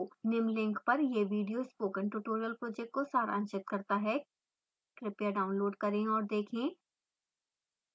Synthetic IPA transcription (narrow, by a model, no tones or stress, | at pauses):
onɪmlɪ̃ŋkpɐɾjeʋiːɖijoːspoːkə̃nʈuːʈoːɾijəlpɾoːd͡ʒɛk̚ʈ̚kosaːɾã̰ːnt͡ʃɪt̪̚kɐɾt̪aɦɛ | kɾɪpjaɖaːʊ̃nloːɖkɐɾẽɔːɾd̪eːkʰẽː